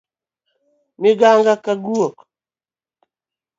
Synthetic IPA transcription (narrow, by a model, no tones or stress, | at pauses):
miɡaŋɡakaɡuok